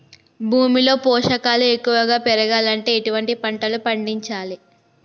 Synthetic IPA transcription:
bʱuːmilo̞ːpɔːʂɐkaːlue̞kːuʋɐɡaːpɛɾɐɡaːlɐɳʈe̞ːiʈuʋɐɳʈipɐɳʈɐlupɐɳɖiɲt͡ʃaːli

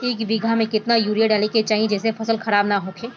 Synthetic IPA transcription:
eːkʋɪɡʱamẽkɪt̪najuːɾijaɖaːliket͡ʃaːɦĩd͡ʒɛːsefʰɐsəlxɐɾaːbnaɦoːkʰeː

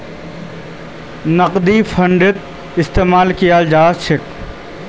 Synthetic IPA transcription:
nɐqd̪ifʰɐɳɖɪt̪̚ | ɪst̪eːmaːlkijad͡ʒaːʃʰɪk

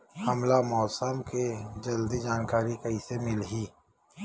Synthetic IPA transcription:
hɐmlamɔːsəmked͡ʒɐld̪id͡ʒaːnkaːɾikɐisemɪlɦiː

